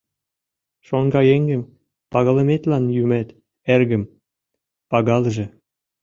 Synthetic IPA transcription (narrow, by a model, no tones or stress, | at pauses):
ʃoŋɡɑjeŋɡɘ̆m | pɑɣɤ̆lɤ̆met̪lɑnjymæt̪ | erɡɘ̆m | pɑɣɑlʒĕ